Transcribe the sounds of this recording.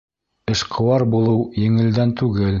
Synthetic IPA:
ɘ̆ʃqʰɤ̆wɑɾbulˠɤwjɘ̆ŋɘ̆ld̪ænt̪ʉɡɘl

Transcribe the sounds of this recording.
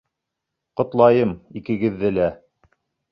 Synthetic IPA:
qŏt̪lˠɑjɤmikɘ̆ɡɘ̆ðːɘlæ

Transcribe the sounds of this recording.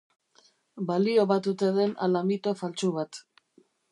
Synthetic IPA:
balio̞βat̪ut̪e̞ðe̞na̰lamit̪o̞falt͡suβat̪

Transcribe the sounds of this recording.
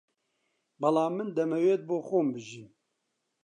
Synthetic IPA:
bɐlaːmːɨnd̪ɛmɛweːt̪̚boːxoːmbɨʒin

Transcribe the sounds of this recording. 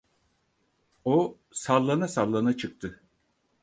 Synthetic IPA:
o | salˠːanasalˠːanat͡ʃʰɯk̚t̪ʰɯ

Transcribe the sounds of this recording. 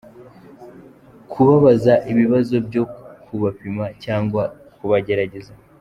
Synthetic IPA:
kʰuβaβazaʔiβiβazo̞bjo̞kʰuβapimacaːŋɡwa | kuβaɟe̞ɾaɟe̞za

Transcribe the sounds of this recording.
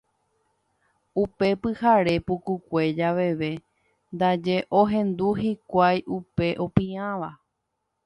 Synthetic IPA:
upe̞pɨhaɾe̞pukukʷe̞d͡ʒaʋe̞ʋe | nd̪ad͡ʒe̞ʔoɦẽ̞nd̪uɦikʷajʔupe̞ʔo̞pĩãʋa

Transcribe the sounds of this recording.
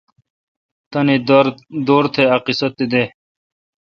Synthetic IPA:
t̪ɐned̪oːɾt̪ʰeɐqisɐt̪ːid̪eː

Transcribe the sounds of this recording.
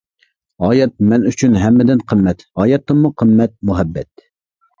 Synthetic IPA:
ɑːjɛt̪̚mɛnyt͡ʃʰynɦɛmːɪd̪ɪnqʰəmːɛt̪ɑːjɛt̪ːɨmmʊqʰəmːɛt̪̚muɦɛbːɛ̰t̪

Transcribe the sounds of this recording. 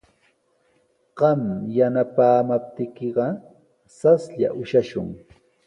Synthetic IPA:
ɢ̥ɑmjanapaːmap̚t̪ɪkeɢɑ | sasʎa̰ʔʊʃaʃʊ̰ŋ

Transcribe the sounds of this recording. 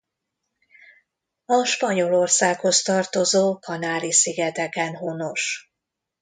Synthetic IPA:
ɒʃpɒɲo̞lo̞rsaːkho̞st̪ɒrt̪o̞zoːkʰɒnaːɾisiɡɛt̪ɛkɛnɦono̞ʃ

